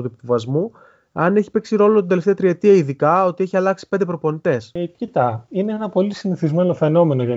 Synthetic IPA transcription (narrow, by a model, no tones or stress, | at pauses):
t̪uipuvɐzmu | ɐne̞çi̥pe̞ksiɾo̞lot̪ind̪eleft̪e̞ɐt̪ɾie̞t̪iɐiðikɐot̪ie̞çiɐlɐksi̥pe̞nd̪epɾopo̞nit̪e̞scit̪ɐineenɐpo̞lisiniθizme̞no̞fe̞no̞me̞noʝɐ